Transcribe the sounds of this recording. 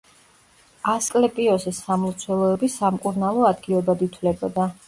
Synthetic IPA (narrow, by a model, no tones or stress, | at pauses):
askʼlɛpʼiɔsɛsamlˠt̪sʰwɛlˠɔɛbisamkʼuɾnalˠɔad̪ɡilɛbad̪it̪ʰlɛbɔ̰d̪a